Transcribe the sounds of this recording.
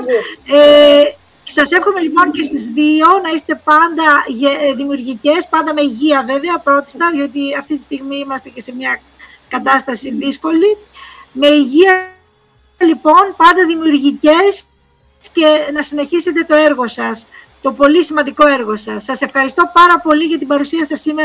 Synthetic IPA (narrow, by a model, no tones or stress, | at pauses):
e | sɐse̞fxome̞lipo̞nce̞st̪izðio̞nɐise̥t̪e̞pɐnd̪ɐʝeðimiuɾʝice̞spɐnd̪ɐme̞iʝiɐve̞ve̞ɐpɾo̞t̪i̥st̪ɐðio̞t̪̬iɐft̪it̪ist̪iɣmiimɐst̪e̞ce̞se̞mɲɐ | kɐt̪ɐst̪ɐsiðisko̞li | me̞iʝiɐ | lipo̞npɐnd̪ɐðimiuɾʝice̞s | ce̞nɐsine̞çise̞t̪e̞t̪o̞e̞ɾɣo̞sɐs | t̪o̞po̞lisimɐnd̪iko̞e̞ɾɣo̞sɐsːɐse̞fxɐɾist̪o̞pɐɾɐpo̞liʝɐt̪ibɐɾusiɐsɐsimeɾ